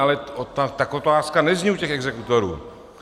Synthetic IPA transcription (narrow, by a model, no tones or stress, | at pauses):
alɛot̪at̪akot̪oaːskanɛzɲiucɛxɛɡzɛkut̪oɾṵː